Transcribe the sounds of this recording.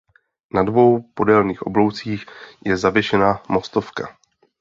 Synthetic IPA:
nadvo̞wpo̞dɛlniːxʔo̞blo̞wt͡siːxjɛzavjɛʃɛnamo̞st̪o̞fka̰

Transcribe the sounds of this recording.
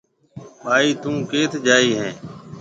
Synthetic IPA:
ɓaːiːt̪ũːkeːt̪ʰd͡ʒaːiːɦɛ̃ː

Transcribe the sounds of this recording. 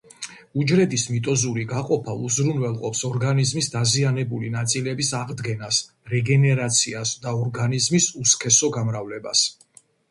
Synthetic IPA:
ud͡ʒɾɛd̪ismit̪ʼɔzuɾiɡaqʼɔpʰauzɾunwɛlˠqʼɔpsɔɾɡanizmisd̪azianɛbulinat̪sʼilɛbisaʁd̪ɡɛnas | ɾɛɡɛnɛɾat̪sʰiasd̪aɔɾɡanizmisuskʰɛsɔɡamɾavlɛba̰s

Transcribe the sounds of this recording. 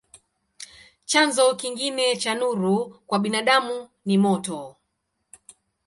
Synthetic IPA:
t͡ʃanzɔkiŋɡinɛt͡ʃanuɾukwaɓinaɗamu | nimɔtɔ

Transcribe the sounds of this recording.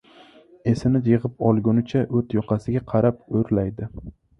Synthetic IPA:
esɪnɪjɪʁɨpɒlˠɡʊnɪt͡ʃʰaʔɵt̪jɒqʰɑsɪɡʲaqʰɑɾap̚oɾlajd̪ɪ

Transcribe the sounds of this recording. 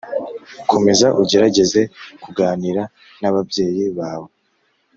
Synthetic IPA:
kʰo̞me̞zaʔuɟe̞ɾaɟe̞ze̞kuɡaːniɾa | naβabje̞ːjiβaːβo̞

